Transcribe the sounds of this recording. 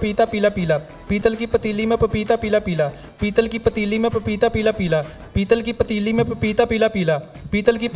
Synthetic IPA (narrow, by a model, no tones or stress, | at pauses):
piːt̪aːpiːlaːpiːlaː | piːt̪əlkiːpət̪iliːmẽpiːt̪aːpiːlaːpiːlaː | piːt̪əlkiːpət̪iːliːmɛ̃ːpiːt̪aːpiːlaːpiːlaː | piːt̪əlkiːpət̪iːliːmẽːpiːt̪aːpiːlaːpiːlaːpiːt̪əlkiːp